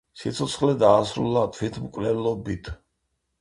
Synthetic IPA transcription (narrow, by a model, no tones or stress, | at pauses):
sit̪sʰɔt̪sʰχlɛd̪aːsɾṵlˠat̪ʰwit̪ʰmkʼvlɛlɔbit̪ʰ